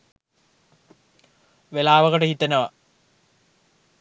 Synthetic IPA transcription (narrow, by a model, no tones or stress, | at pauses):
ʋelaːʋəkəʈəhit̪enəʋa